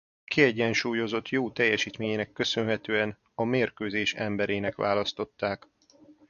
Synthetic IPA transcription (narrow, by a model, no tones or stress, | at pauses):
kiɛɟːɛnʃuːjo̞zo̞t̪joːt̪ɛjːɛʃiːt̪meːɲenɛkːø̞sønɦɛt̪øːɛn | ɒmeːrkøːzeːʃɛmbɛɾeːnɛkʋa̰ːlɒst̪o̞t̪ːaːk